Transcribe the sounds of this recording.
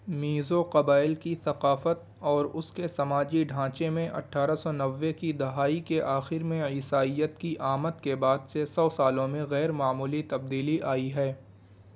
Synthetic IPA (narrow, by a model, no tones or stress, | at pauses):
miːzoqɐbaːɪlkiθɐqaːfət̪̚ | ɔːɾʊskesɐmaːd͡ʒiɖʱãːt͡ʃemẽʔɐ̰ʈʰːaːɾasɔnɐʋːekid̪ɐɦaːikeʔaːxɪɾmẽɪsaːijət̪kiʔaːmət̪kebaːd̪sesɔːsaːlõmẽɣɛːɾmaːmuːlit̪ɐb̚d̪iːliʔaːiɦɛː